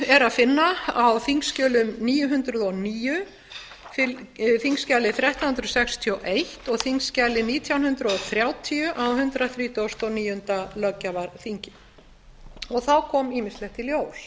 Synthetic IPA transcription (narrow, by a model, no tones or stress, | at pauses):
ɛɾaðfɪnːaawθiŋscœːlʏmniːjʏɦʏnt̪ɾʏðɔniːjʏ | fɪθiŋscaːlɪθɾjɛht̪ahnt̪ɾʏsɛkst̪ʰiɔwʔejht̪ɔɣθiŋscalɪniːt̪ʰjawnhʏnt̪ɾʏɔθɾjaːwt̪ʰiʏʔawɦʏnt̪ɾaθɾiːt̪owst̪ɔniːjʏnt̪alœcːavaɾθiɲcɪ | ɔɣθawkʰɔːmiːmɪst̪lɛht̪ʰɪljoːwl̥